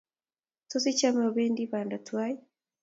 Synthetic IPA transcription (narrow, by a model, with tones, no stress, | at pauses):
to˦si˦t͡ʃa˦ma˨βeː˦ndiβaː˨nda˨twa˦ji˦